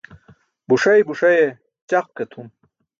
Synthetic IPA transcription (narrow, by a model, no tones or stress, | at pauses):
buʂɐjbuʂɐje | t͡ɕaq̚kɐt̪ʰum